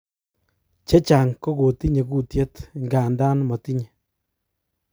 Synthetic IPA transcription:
t͡ʃe˦t͡ʃa˨ŋko˦ɡo˨ti˦ɲe˨kuː˦˨tje˦t̪ŋɡa˨nda˦nmɔ˨ti˦ɲe˨

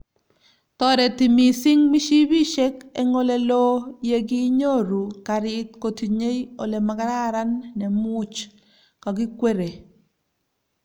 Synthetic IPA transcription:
tɔ˦ɾɛ˨ti˨mi˨sɪ˦ŋmi˦ʃi˦bi˦ʃe˦kɛ˦ŋo˦lɛ˨lo˦je˦ɡi˦ɲo˦˨ɾu˨ka˨ɾɪ˦tko˨ti˨ɲe˦jo˨le˨ma˨ka˦ɾa˦ɾa˦nːɛ˨mʊ˦t͡ʃ | kɔ˨ɡɪ˦kwe˦ɾe˨

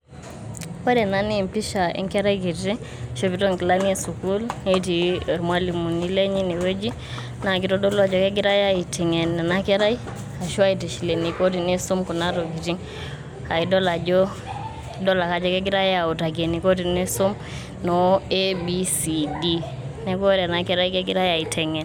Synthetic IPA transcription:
pa˦de˨na˦ni˦˨mpi˦ʃa˨ḭ˦ŋke˦ɾa˦jki˨ti˦ŋ | ʃo˦pi˨to˦ŋki˨la˦ni˦e˦su˨ku˦le˦ti˨ɾma˦li˨mu˨ni˦le˦ɲi˦ni˨we˦d͡ʒi˦ | na˨ɡi˨to˦do˦lo˦a˨d͡ʒo˦ke˦ɡi˦ɾa˦ja˦i˨ti˨ŋe˨nːe˨nake˦ɾa˦j | a˨ʃu˦a˦i˨ti˨ʃi˨le˨ni˨ko˦t̬i˨ne˦su˦mku˨na˦ɾo˨ɡi˨ti˦ŋ | ka˨i˨do˦la˨d͡ʒo˦ | dɔ˦la˨ka˨d͡ʒɔ˦ke˦ɡi˦ɾa˦ja˨u˨ta˨ɡe˨ni˨ko˦ti˨ne˦su˦m | noe˦bi˦si˨di˦ | ne˦ɡo˦ɾa˨na˨kɛ˦ɾa˦jke˦ɡi˦ɾa˦ja˨i˨tʰɛ˨ŋe˨n

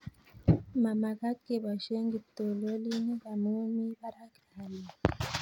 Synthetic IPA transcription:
ma˨ma˨ɡa˦ke˨ba˨ʃe˦ŋɡi˨to˨lo˦li˦ŋ˦ba˨mu˦mi˦ba˦ɾa˦ka˨li˨

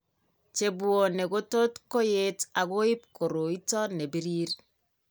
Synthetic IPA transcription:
t͡ʃe˨bwo˨ne˨ɡo˦to˦tko˦je˦ta˨ɣo˦ɪ˦p̚kʰo˨ɾo˨i˦tɔ˦ne˨bi˦ɾiː˦ɾ

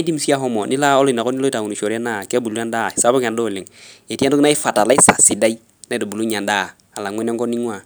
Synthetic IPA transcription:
i˦di˦m˦si˦a˦ɦɔ˦mɔ˨ni˦la˦ɔ˦lɔ˦i˨na˨kɔ˦ni˦lɔ˦ta˨ŋ˨i˨ʃɔ˨ɾa˦na˦˨kɛ˦bu˨lu˦a˦nda˦˨sa˦bɔ˦ka˨ndɔ˦˨lɪ˨ŋe˨ti˦a˦n˦do˦kna˦i˦fa˨ta˨la˦i˦sa˨si˨da˦i˦ | na˦i˦do˨bu˨lu˦ɲa˨nda˦˨ | a˨la˨ŋwɛ˦na˦ŋɡɔ˦ni˦ŋwa˦˨

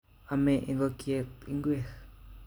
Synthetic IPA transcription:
a˧mẽ˧ʔi˧ŋɡo˧kje˧t̪i˧ŋɡʷe˦˨x

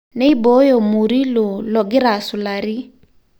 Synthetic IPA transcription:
ne˦i˦bo˨˦jo˨mu˨ɾi˦lo˨lɔ˨ɡɪ˦ɾa˨sʊ˨la˨ɾi˦

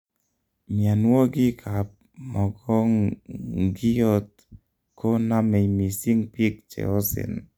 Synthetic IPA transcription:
mja˨nwo˦ɡɪ˦kʰa˨p̚ | mɔ˨ɡɔ˦ŋ | ɡi˦ɔ˦t̪̚ | ko˦na˦mɛ˨jmi˨si˦ŋpi˦k̚t͡ʃɛ̰˨ɔ˦sɪ̰˨n

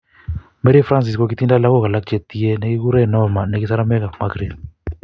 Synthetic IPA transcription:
mɛ˦ɾi˦fɾa˦ns̬i˨skɔ˨k̬i˦t̪i˦nda˦la˦kɔ˦ka˨la˦k̚t͡ʃe˨t̪i˦ɛ˦ne˦ki˦k̬u˦ɾɛ˦nɔ˦ma˨nɛ˨ki˦sa˦ɾa˦mɛ˦ka˨maɡɾi˨d

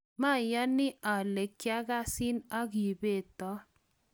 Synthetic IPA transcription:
ma˦˨jɔ˦nɪ˦ʔa˨le˨kja˦ɡa˦sɪ˦na˦ɡi˨be˦˨t̪ɔ˦

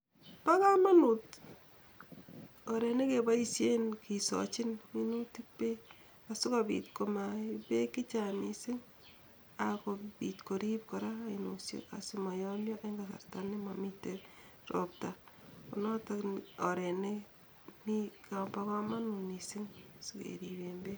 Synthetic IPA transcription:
pa˦ka˦ma˦nu˨t | ɔɾe˨ne˦ke˨ba˦i˦sje˦nki˨sɔ̰t͡ʃi˦nmi˦nu˦ti˦pːe˦ | asʊ˦ka˨bḭ˨tko˨ma˨ipe˦ki˦t͡ʃa˨ni˨sɪ˦ŋ | akopitko˨ɾi˦p̚ko˨ɾa˦˨inosjo̰ka̰˨sima˨jɔ˦mjɔ˦e˦ŋɡasa̰˨ɾtanɪ˦mamite | ɾɔ̰p̚tako˨nɔ˦taknɔ˨ɾe˨ne˦ | ni˦kabaka˦ma˦nunisɪ˦ŋsu˦kḛ˨ɾibembe˦

